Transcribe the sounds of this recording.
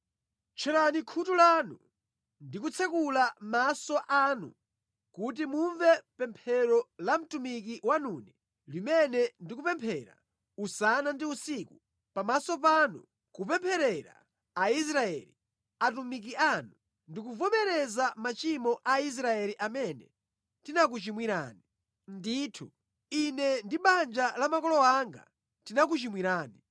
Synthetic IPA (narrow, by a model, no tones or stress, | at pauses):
t͡ʃʰɛɾanikʰutulanu | ndikut͡sʰɛkulamasɔʔaːnṵ | kut̬imuɱvɛpɛmpʰɛɾɔlam̩tumik̬iwanuːnɛ | limɛnɛndikupɛmpʰɛɾa̰ | usanandiusiːku | pamasɔp̬aːnṵ | kupɛmpʰɛɾɛɾa̰ | ais̬ɾaɛ̰li | atumik̬ianu | ndikuvɔmɛɾɛzamat͡ʃimɔʔais̬ɾaɛliʔamɛnɛ | tinak̬ut͡ʃimwiɾa̰ːni | ndiːtʰu | inɛndiɓand͡ʒalamakɔlɔaŋɡa̰ | tinakut͡ʃimwiɾaːni